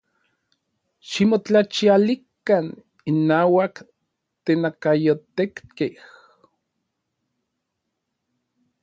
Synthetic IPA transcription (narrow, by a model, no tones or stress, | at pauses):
ʃimot͡ɬat͡ʃialikan | inːaːwak | t̪enakajot̪ekkeh